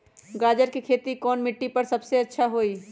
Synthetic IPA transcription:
ɡaːd͡ʒəɾkikʰeːt̪ikɔːnmɪʈːipəɾsɐbseɐtːʃʰaɦoːi

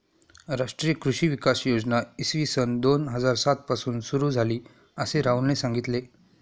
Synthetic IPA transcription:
ɾaʂʈɾijəkɾuɕiːʋikasjod͡znaisʋisənd̪onɦəd͡zaɾsat̪̚pasuːnsuɾuːd͡zʱaliː | əseɾaunesãŋɡit̪le

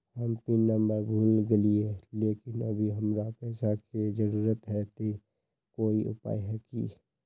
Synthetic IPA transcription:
həmpɪnnːəmbəɾbʱuːlɡəlieleːkɪnə̰bʱiɦəmɾapɛːsaked͡ʒəɾuːɾət̪ɦɛt̪e | koːiʔʊ̰pa̰ːiɦɛkḭ

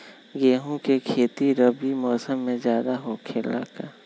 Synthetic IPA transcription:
ɡeːɦõkekʰeːt̪iɾəbimɔːsəmːẽzjaːd̪aɦokʰeːla̰ːkaː

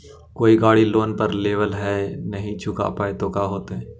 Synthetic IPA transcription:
koːiɡaːɽiloːnpɐɾleːʋəlɦɛnɐɦĩt͡ʃʰʊka̰paːet̪okaɦoːt̪eɦɛ̃ː

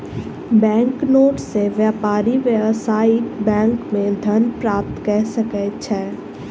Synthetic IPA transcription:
bɛ̃ːŋknoːʈseʋjaːpaːɾiʋjəʋsaːibɛ̃ːŋkmẽd̪ʱɐnpɾaːp̚t̪kɛɦsəkɛt͡ʃʰɛː

